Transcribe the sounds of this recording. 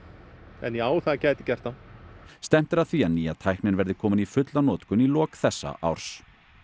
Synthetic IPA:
ɛ̰njɛaːwθaðacaːjt̪ɪ̥cɛr̥t̪anst̪ɛm̥t̪ɪɾaðθianiːaðt̪ʰajhknɪnvɛɾðɪkʰɔːmɪnifʏt̪lanɔːt̪kʏnilɔːkθɛsːa̰ʔa̰wɾ̥s

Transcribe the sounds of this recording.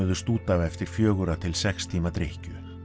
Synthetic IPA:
ʏðʏst̪uːt̪avɛft̪ɪɾ̥fjœːɣʏɾat̪ʰɪlsɛkst̪ʰiːmat̪ɾehcʏ

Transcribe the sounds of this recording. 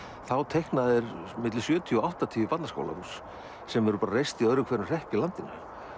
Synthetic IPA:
θawt̪ʰejhknaðɪɾmɪt̪lɪsjœːt̪ʰiɔɔawht̪at̪ʰiːvɪpat̪nasko̰wla̰ɾus | sɛmɛɾʏpaːɾarejst̪iœðɾʏkʰvɛːɾmr̥ɛhpɪlant̪ɪnːʏ̰

